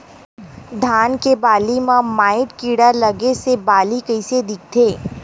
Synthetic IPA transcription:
d̪ʱaːnkebaːlimãmaːɪʈkiːɽalɐɡesebaːlikɐɪsed̪ɪk̚t̪ʰeː

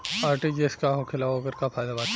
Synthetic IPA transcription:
aːɾʈid͡ʒeːskaɦoːkʰɪlaoːɡəɾkapʰaːɪd̪abaː

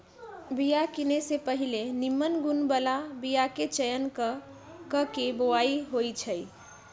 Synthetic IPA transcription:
bijakinesepəɦilenimːənɡunbəlabijaket͡ʃəjənk | kəkebowaiɦojt͡ʃʰəj

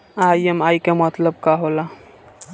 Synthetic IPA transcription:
ajemajkemət̪ləb̚kaɦola

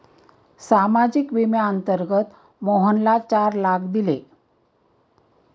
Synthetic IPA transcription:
samad͡ʑikʋimjaənt̪əɾɡət̪ | moɦənlat͡ɕaɾlak̚ʰd̪ile

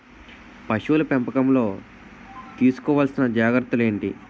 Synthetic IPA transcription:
pɐʃuʋulɐpempɐkɐmlo̞ː | t̪iːsu̥kɔːʋaːlsinɐd͡ʒaːɡɾɐt̪ːule̞ːɳʈi

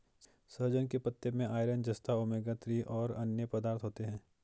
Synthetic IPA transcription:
səɾd͡ʒənkepɐt̪ːemẽʔaːɪɾənd͡ʒɐst̪aʊmeːɡat̪ɾiʔɔːɾɐ̰njəpɐd̪aːɾt̪ʰɦoːt̪eɦɛ̃ː

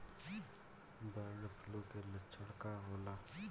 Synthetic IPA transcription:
d̪aːnəpʰlokelət͡ʃʰəɽkaɦoːlaː

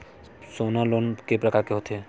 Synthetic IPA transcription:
soːnaloːnkepɾɐkaːɾkeɦot̪ɦɛ

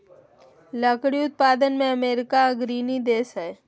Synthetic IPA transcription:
ləkɽiʊt̪̚paːd̪ənmẽəmeːɾɪkaɡɾiːnid̪eːsɦɛː

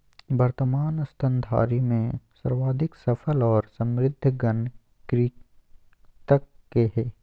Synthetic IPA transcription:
bəɾt̪əmaːnɐst̪ʰə̃nd̪ʱa̰ːɾimẽsɐɾwaːd̪ʱɪksɐpʰəlɔːɾsə̃mɾɪd̪ʱːɡən | kɾiː | t̪əkːeɦɛː

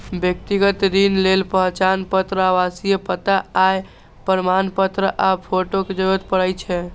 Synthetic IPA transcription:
bjək̚t̪iɡət̪ɾinlelpəɦt͡ʃanpət̪ɾəaʋasijepət̪aːj | pəɾəmanpət̪ɾəʔapʰoʈoked͡ʒəɾuət̪̚pəɽəjt͡ʃʰɛ

